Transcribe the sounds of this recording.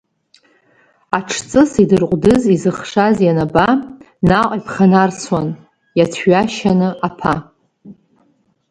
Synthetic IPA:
aʈ͡ʂʰt͡sʼɨsidɨrqʷʼdɨzizɨχʂazjanaba | naqʷʼipʰχanart͡sʰwan | jatʰɥaʃanɨʔapʰa

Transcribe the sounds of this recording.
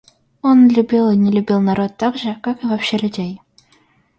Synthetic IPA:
onlʲubʲilˠinʲɪlʲubʲilˠnaɾot̪ːɑɡʐəkakɨvapɕelʲʉdʲej

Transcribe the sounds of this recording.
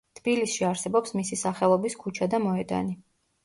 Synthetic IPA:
t̪ʰb̥ilisʃiaɾsɛbɔpsmisisaχɛlˠɔbiskʰut͡ʃʰad̪amɔɛd̪a̰ni

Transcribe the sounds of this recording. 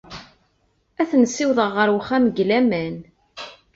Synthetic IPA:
æθnsːiwðəʁːəɾwəχæməɡlæmæn

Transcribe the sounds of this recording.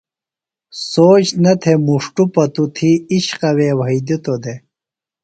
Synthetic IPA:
soːt͡ɕnɐt̪ʰemuʂʈupɐt̪ut̪ʰiiɕqɐweːwɐid̪it̪od̪e

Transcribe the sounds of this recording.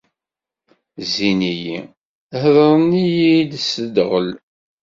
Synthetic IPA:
zinijḭ | hðˤəɾˤənːijilsəd̪ʁəl

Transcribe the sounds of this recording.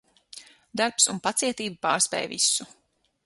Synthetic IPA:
d̪aɾpsunpat̪siɛt̪iːbupaːɾspɛ̰ːjvisu

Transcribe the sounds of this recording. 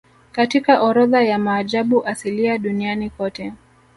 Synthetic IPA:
katikaʔɔɾɔðajamaːʄaɓuʔasiliaɗunianikɔtɛ

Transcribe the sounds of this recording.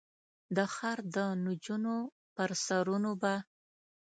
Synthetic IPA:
d̪əxaɾd̪ənud͡ʒuno | pəɾsaɾunoba

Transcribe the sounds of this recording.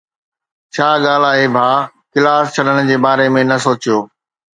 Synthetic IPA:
t͡ɕʰaːɠaːl̤aːɦebʱaː | kɪlaːst͡ɕʰɐɗəɽ̃ʊ̆d͡ʑeːbaːɾemẽnɐsoːt͡ɕijoː

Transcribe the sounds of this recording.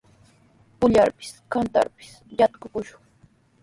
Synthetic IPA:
pʊʎaɾpɪ̥skant̪a̰ɾpɪ̥s | jat̪kʊkʊʃʊŋ

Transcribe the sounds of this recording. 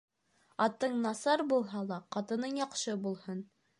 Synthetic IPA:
ɑt̪ɤɴnɑsɑɾbulˠɦɑlˠɑqɑt̪ɤ̆nɤɴjɑqʃɤbulˠhɤn

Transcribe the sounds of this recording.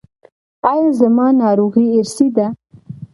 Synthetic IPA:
ɑjɑzəmɑnɑɾoɣieɾsid̪a

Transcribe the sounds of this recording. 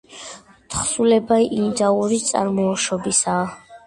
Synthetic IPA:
t̪ʰχsulɛbaiʔind̪auɾit̪sʼa̰ɾmɔːʃɔbisaː

